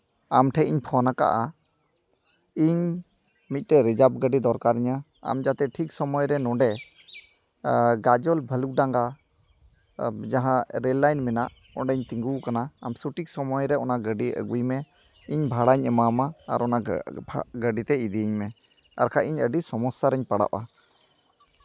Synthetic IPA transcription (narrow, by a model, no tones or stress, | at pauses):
amʈʰɛiɲpʰɔnaka̰ʔa | iɲ | mit̪̚ˀʈɛɾɛd͡ʒab̚ɡəɖid̪ɔɾkaɾiɲa | a̰md͡ʒat̪ɛʈʰiksɔmɔjɾɛnɔ̃ɳɖɛ | ɡad͡ʒɔlbʱəluk̚ɖaŋɡa | d͡ʒaɦãɾɛlːajnmɛnaʔ | ɔ̰ɳɖɛɲt̪iŋɡukanaa̰msuʈik̚sɔmɔjɾɛɔnaɡəɖiʔə̰ɡujmɛ | iɲbʱaɽaɲɛmama̰ːɾʔɔna | ɡəɖit̪ɛid̪iɲmɛ | a̰ɾkʰaʔiɲəɖisɔmɔsaɾɛɲpaɽa̰ʔa